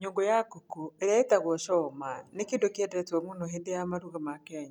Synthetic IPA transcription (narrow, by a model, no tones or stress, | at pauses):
ɲoːŋɡojakukoeɾaetaɣwoʃɔmanekiːndokiendeɾetomuːnoɦeːndejamaɾuɣamakeɲa